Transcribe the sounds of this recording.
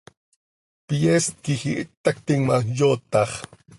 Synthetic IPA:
pijeskɪhɪʔt̪ːakt̪ɪŋmajot̪ɑχ

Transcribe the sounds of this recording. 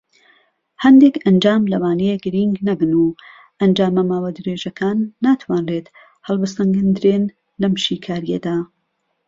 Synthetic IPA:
hɐnd̪ekɐnd͡ʒaːmlɐwaːnejeɡɨɾiŋɡnɐbɨnuː | ʔɐnd͡ʒaːmɐmaːwad̪ɨɾeːʒɐkʰaːnːaːt̪ʰwaːnleːt̪ | hɐlˠbɨst̪ɐŋɡɨnd̪ɨɾeːn | lɐmʃiːkʰaːɾijḛd̪aː

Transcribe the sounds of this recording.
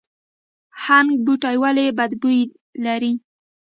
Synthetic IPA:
haŋɡ̚buʈajwalebad̪buj | laɾi

